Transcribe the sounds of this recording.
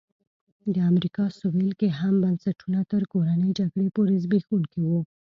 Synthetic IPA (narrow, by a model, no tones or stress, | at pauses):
d̪əamɾikɑsowelkeɦambansaʈunat̪əɾkoɾanəjd͡ʒaɡɽepoɾezbexuŋkewu